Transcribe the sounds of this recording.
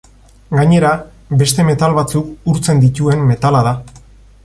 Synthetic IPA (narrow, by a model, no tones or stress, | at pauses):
ɡaɲe̞ɾa | be̞st̪e̞me̞t̪alβat͡sukuɾt͡se̞nd̪it̪ue̞mːe̞t̪alaða